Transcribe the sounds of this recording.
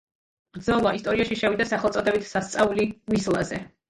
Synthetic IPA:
b̥ɾd̪zɔlˠaist̪ʼɔɾiaʃiʃɛvid̪asaχɛlˠt̪sʼɔd̪ɛbit̪ʰsast̪sʼaulimislˠa̰zɛ

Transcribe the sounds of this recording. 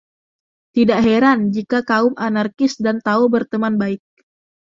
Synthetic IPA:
t̪idaʔɦeɾand͡ʒikakaʊmʔanarkɪsdant̪aobərt̪əmanbaɪk̚

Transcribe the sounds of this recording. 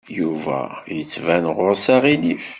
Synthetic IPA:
juvæ̰jət͡sːvænʁʊʁsaʁinif

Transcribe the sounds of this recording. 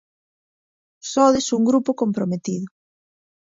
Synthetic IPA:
sɔðesuŋɡɾupokompɾomet̪iðʊ

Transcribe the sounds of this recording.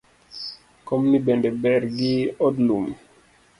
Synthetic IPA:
kɔmnibɛndɛbɛɾɡiɔdlum

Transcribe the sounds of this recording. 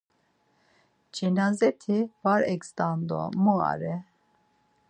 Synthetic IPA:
d͡ʒɛnazɛt̪ʰivaɾɛkst̪and̪ɔ̰mua̰ɾɛ

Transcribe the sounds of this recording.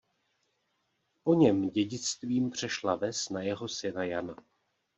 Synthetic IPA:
po̞ɲɛmɟɛɟɪt͡st̪viːmpr̝̥ɛʃlavɛsnajɛɦo̞sɪnajana

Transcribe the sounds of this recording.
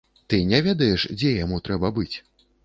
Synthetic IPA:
t̪ɨnʲɛvʲɛd̪ɐjɛʂd͡zʲɛjamut̪ɾɛbɐbɨt͡sʲ

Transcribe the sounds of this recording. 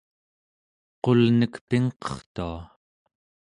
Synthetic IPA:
qo̞lnəkpiŋqʌ̥χt̪ua

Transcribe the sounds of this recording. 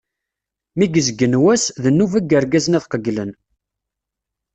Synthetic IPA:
miɡəzəɡːənwæsðənːuvæɡːəɾɡæzənæθqəɡlən

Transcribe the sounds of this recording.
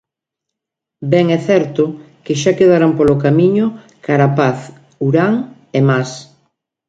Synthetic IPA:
bɛŋɛθɛɾt̪ʊ | kɪʃakeðaɾampolokamiɲʊ | kaɾapaθ | uɾaŋ | emas

